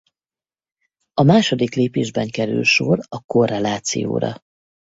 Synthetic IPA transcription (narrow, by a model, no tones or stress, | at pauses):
ɒmaːʃo̞d̪ikleːpeːʒbɛŋkɛɾy̰lʃo̞rɒko̞rɛlaːt̪sḭjo̰ːɾɒ̰